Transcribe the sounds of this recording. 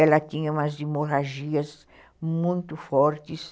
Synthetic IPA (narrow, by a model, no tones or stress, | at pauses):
ɛlɐt̪ĩɲɐũmɐzd̪imoɾaʒiɐz | mũj̃t̪ʊfɔɾt̪ɪs